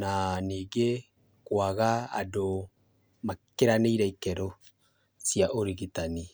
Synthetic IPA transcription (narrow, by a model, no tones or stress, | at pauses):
naniːɡe | kwaɣaa̰do | makeɾaneiɾɛikɛɾo | siaʔoɾiɣitani